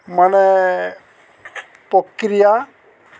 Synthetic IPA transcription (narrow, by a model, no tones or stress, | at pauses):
manɛ | pɔkɾija